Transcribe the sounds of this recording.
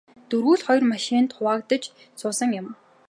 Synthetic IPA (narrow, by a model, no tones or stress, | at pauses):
t̪ɵɾɣuːɮχɔjrmaʃiːnt̪χʊwaːkt̪ə̆t͡ɕ | sʊːsə̆ŋjʊ̆m